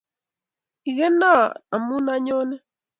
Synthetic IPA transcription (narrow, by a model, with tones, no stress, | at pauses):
i˨ɣe˦nã˦˨na˨mu˦nã˧ɲo˦ne˦